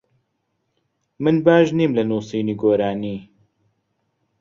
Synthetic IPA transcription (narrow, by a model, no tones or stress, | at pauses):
mɨnbaːʒniːmlɐnuːsiːniːɡoːɾaːniː